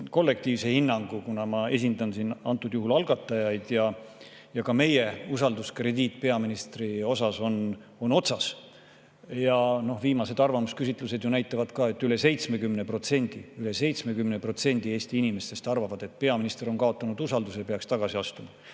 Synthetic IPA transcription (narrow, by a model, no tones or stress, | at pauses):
ko̞lːe̞k̚t̪iːvse̞hinːɑŋɡ̥ukunɑmɑe̞s̬ʲind̪ɑnsinɑ̰nt̪ːˑud̪̥juɦulɑlɡ̥ɑt̪ːˑɑjɑjd̪̥jɑ | jɑkɑme̞je̞usɑld̪uskre̞d̪iːt̪ːˑpe̞ɑminist̪rio̞sɑso̞n | o̞no̞t̪sɑs | jɑno̞hviːmɑse̞d̪̥ɑrvɑmuskys̬ʲit̪ˑlused̪junæjt̪ːˑɑvɑd̪̥kɑːe̞t̪ːyle̞se̞jt̪sme̞kymne̞pro̞t̪se̞nʲd̪̥iyle̞se̞jt̪sme̞kymnepro̞t̪se̞nʲd̪ie̞ːst̪iinime̞st̪e̞st̪ɑrvɑvɑd̪̥e̞t̪̚ːpe̞ɑminist̪eɾo̞nkɑo̞t̪ːˑɑnud̪̥usɑld̪usepeɑkst̪ɑɡ̥ɑsiɑst̪umɑ